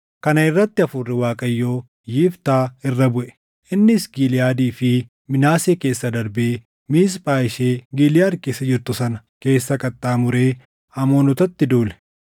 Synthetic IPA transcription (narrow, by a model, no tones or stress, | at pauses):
kɐnɐɪrːɐt̪ːɪɐfʊrːɪwaːkʼɐjːo̞ː | jiːft̪aːɪrːɐbʊʔɛ̥ | ʔɪnːɪsɡilɪjaːd̪iːfɪ | mɪnaːseːke̞ːsːɐd̪ɐɾbeː | miːs̬pʼaːjɪʃeːɡiːlɪjaːɾkeːsːɐd͡ʒɪɾt̪ʊsɐnɐ | ke̞ːsːɐkʼɐt̪ʼːaːmʊɾe̞ː | ɐmoːnʊt̪ɐt̪ːɪd̪uːlɛ̥